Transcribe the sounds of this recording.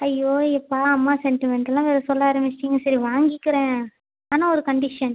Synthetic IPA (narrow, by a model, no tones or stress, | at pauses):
ɐjːoːɛpːaːɐmːaːsɛnʈɪmɛɳʈɛlːãːʋeːɾɐsɔlːaːɐɾɐmɪʈiŋɡɐsɐɾiʋaːŋɡɪkːɪɾẽː | aːnãːɔɾɯkɐɳɖɪʂɐn